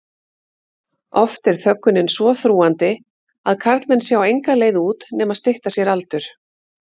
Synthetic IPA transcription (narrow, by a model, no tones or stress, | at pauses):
ɔft̪ɛɾ̥θœkːʏnɪnsvɔθɾuːant̪ɪ | aðkʰaɾt̪mɛnːsjaːwejŋkaleːjðuːt̪nɛmaðst̪ɪht̪asjɛɾalt̪ʏɾ̥